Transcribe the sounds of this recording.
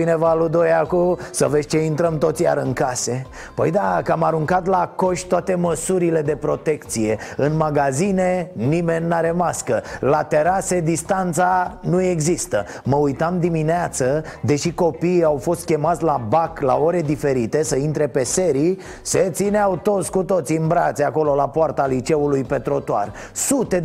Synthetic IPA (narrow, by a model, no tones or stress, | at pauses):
inevalud̪ojakusəvesʲt͡ʃeint̪ɾəmt̪o̞t̪sʲja̰ɾɨŋkase̞ | pə̰jd̪akamaɾuŋkat̪lako̞ʃt̪oat̪e̞məsuɾile̞d̪e̞pɾo̞t̪e̞kt̪sije̞ɨnmaɡazinenime̞nʲːaɾe̞maskəlat̪e̞ɾase̞d̪ist̪ant̪sanue̞ɡzist̪ə | məujt̪amd̪imineat̪səd̪e̞ʃiko̞piːawfo̞st̪̚kʲe̞mat̪sʲlabakla̰o̞ɾe̞d̪ifeɾit̪e̞səint̪ɾe̞pe̞se̞ɾi | se̞t̪sineawt̪o̞t̪sʲkut̪o̞t̪siɨnbɾat̪seako̞lo̞lapoart̪alit͡ʃe̞ulujpe̞t̪ɾo̞t̪oa̰r | sut̪e̞